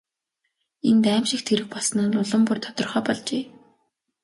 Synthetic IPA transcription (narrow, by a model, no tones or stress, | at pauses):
ent̪æːmʃɪ̆kt̪ʰeɾɘ̆xpɔɮsnaːnʊɮə̆mpurt̪ʰɔ̥t̪ɞ̆rχœːpɔɮt͡ɕeː